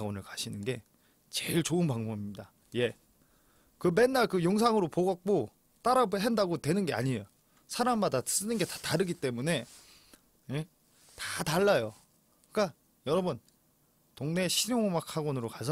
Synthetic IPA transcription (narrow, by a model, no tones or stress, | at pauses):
ɡwʌnɯɭkaɕʰinɯnɡe̞ | t͡ɕe̞ɭt͡ɕoɯnpaŋmomimɲida | je̞ | kɯme̞nːaɭkɯjoŋsʰaŋɯɾopoɡʌk̚k͈o | t͈aɾabɦendaɡotwe̞nɯnɡe̞a̰ɲiejo | sʰaɾamːadas͈ɯnɯnɡe̞tḁtaɾɯɡit͈e̞mune̞ | je | tataɭːajo | k͈a | jʌɾʌbɯn | toŋne̞ɕʰiɾjoŋomakʰaɡwʌnɯɾokasʰʌ